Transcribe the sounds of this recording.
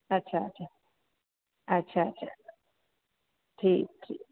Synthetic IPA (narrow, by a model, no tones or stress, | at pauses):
at͡ʃʰat͡ʃʰa | at͡ʃʰat͡ʃʰa̰ | t̪ʰitʰḭ